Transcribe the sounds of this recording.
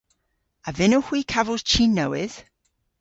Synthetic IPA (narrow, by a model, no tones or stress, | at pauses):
əvɪnəhwiːkʰavəlˠz̥t͡ʃʰiːnːəwɪð̥